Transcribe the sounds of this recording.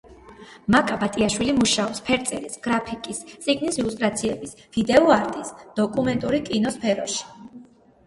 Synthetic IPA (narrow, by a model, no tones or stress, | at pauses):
makʼabat̪ʼiaʃwilimuʃaɔpspʰɛɾt̪sʼɛɾisɡ̥ɾapʰikʼist̪sʼiɡnisilust̪ʼɾat̪sʰiɛbis | v̥id̪ɛɔaɾt̪ʼisd̪̥ɔkʼumɛnt̪ʼuɾikʼinɔspʰɛɾɔʃi̥